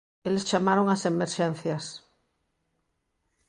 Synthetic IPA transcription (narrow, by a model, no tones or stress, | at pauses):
elest͡ʃamaɾoŋasemeɾʃẽn̟θjas